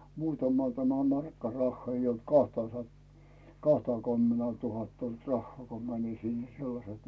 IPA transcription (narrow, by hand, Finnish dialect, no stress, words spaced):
muːtɑmɑ tæmæ mɑrkːɑ rɑhːɑː ei olt kɑhtɑ sɑt kɑhtɑky̞mːenæː tuhɑtːɑ olt rɑhːŏɑˑ ko mænin sinːæ̥ selːɑset